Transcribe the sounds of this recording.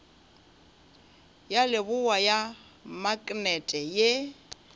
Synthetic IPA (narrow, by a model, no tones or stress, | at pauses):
jalɪbʊwaja | makʼnɛtʼɛje